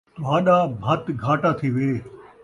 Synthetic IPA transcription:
ʋaːɗaːbʱɐt̪ɡʱaːʈat̪ʰiʋeː

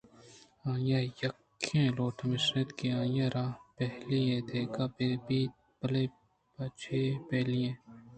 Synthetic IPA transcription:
ãːjãːjɐkʰːẽːloːʈʰmɪsnet̪kiãːjãːɾãːpɛɦliẽːd̪eːkaːbebiː | pɐleː | bɐt͡ʃʰeːpɛːliẽː

